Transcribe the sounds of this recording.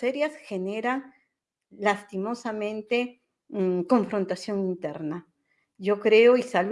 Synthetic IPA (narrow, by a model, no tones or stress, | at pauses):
eɾjasxe̞ne̞ɾaŋ | last̪imo̞samẽ̞nt̪e̞ | ko̞ɱfɾo̞nt̪asjo̞ŋint̪e̞ɾna | jo̞kɾe̞oisal